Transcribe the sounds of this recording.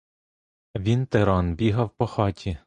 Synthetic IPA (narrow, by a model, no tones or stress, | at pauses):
ʋʲint̪eɾɑnbʲiɦɐwpɔxɑtʲʰi